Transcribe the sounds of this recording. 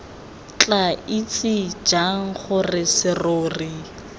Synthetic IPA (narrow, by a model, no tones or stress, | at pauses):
t͡ɬʼait͡sʼɪd͡ʒaŋ̩χʊrɪsɪroːri